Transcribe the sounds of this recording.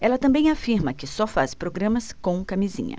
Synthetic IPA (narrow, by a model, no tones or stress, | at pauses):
ɛlɐt̪ɐ̃bẽj̃afiɾmɐkɪsɔfaspɾoɡɾɐ̃mɐskõw̃kamizḭ̃ɲɐ̰